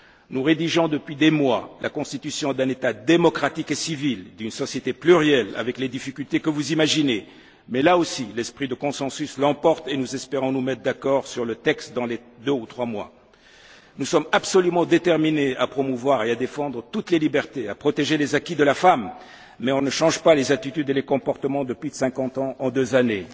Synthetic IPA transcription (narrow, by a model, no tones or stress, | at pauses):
nuʁed̪iʒɔ̃d̪əpɥid̪emwalʔakɔ̃st̪it̪ysjɔ̃d̪ɛ̃net̪ad̪emɔkχat̪ikesivild̪ynsɔsjet̪eplyʁjɛla̰vɛkled̪ifikʲylt̪ekəvuzimaʒine | mɛlaosilɛspχid̪əkɔ̃sɑ̃syslɑ̃pɔʁt̪enuzɛspeʁɔ̃numɛt̪χd̪akɔʁsyʁlət̪ɛkst̪d̪ɑ̃led̪øut̪χwamwa̰ | nusɔmabsɔlymɑ̃d̪et̪ɛʁmineapχɔmuvwaʁead̪efɑ̃d̪ʁət̪ut̪lelibɛʁt̪eapχɔt̪eʒelezakʲid̪əlafamː | ɛɔ̃nəʃɑ̃ʒpalezat̪it̪yd̪elekɔ̃pɔʁt̪əmɑ̃d̪əpɥisɛ̃kɑ̃t̪ɑ̃ʔɑ̃d̪øzane